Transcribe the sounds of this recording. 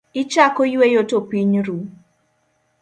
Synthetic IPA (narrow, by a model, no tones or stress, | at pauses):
it͡ʃakojuejotopiɲɾu